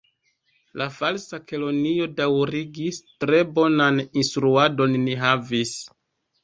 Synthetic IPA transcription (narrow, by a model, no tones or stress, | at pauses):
lʔafalsakelo̞nio̞dawɾiɡistɾe̞bo̞naninstɾuado̞nːiɦavis